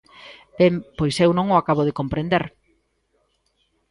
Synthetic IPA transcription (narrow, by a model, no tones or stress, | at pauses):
bempojsewnõŋoakaβoð̞ekompɾend̪eɾ